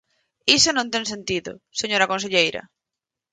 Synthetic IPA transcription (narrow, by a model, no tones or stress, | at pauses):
isonõnt̪ẽŋsẽnt̪iðʊ̰seɲoɾakõns̬eʎejɾɐ̰